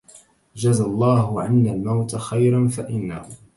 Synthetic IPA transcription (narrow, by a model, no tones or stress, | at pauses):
d͡ʒazalˤːɑːɦʊʕanːalmawt̪axajɾanfaʔɪnːa̰hʊ